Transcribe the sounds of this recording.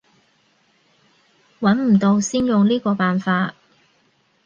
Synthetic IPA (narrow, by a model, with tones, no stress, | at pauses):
wɐ˨˥nm̩˨˩t̪o˧wsiː˥njʊ˨ŋliː˥kɔː˧paː˨nfaː˧t̚